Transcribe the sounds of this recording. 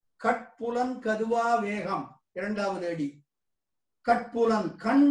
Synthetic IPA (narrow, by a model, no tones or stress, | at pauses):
kɐʈ̚pʊlɐnkɐðɯʋaːʋeːɣɐm | ɪɾɐɳɖaːʋɐðɯɐɽi | kɐʈ̚pʊlɐnkɐɳ